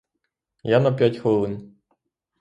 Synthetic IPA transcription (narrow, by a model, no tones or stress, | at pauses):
janɐpʲjatʲxɔlˠɪn